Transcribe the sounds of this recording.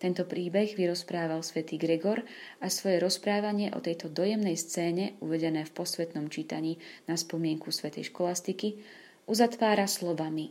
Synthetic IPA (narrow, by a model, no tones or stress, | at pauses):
t̪ɛnt̪ɔpɾiːbɛɣʋiɾɔspɾaːʋalsʋɛt̪iːɡɾɛɡɔɾasʋɔjɛɾɔspɾaːʋaɲɪɛʔɔ̰t̪ɛjt̪ɔd̪ɔjɛmnɛjst͡sɛːɲɛṵʋɛɟɛnɛːfpɔsʋɛt̪nɔmt͡ʃiːt̪aɲiːnaspɔmɪɛŋkusʋɛt̪ɛ̰jʃkɔlast̪iki | ʔuzat̪ʋaːɾaslɔʋani